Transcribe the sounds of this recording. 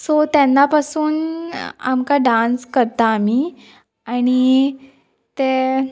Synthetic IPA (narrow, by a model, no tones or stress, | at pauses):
sot̪janːapasuːna̰mkaɖãnskəɾt̪aːmi | aɽ̃i | t̪e